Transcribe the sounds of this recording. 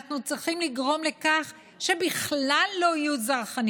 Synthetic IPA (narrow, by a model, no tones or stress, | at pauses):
χnut͡sʁiχimliɡʁo̞mle̞kaχ | ʃe̞biχlalːo̞ajuzaʁχan